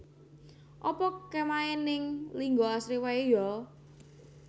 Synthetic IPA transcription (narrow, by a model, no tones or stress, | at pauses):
ʔɔpɔkemaɛnɪŋliŋɡoasɾiwaejɔ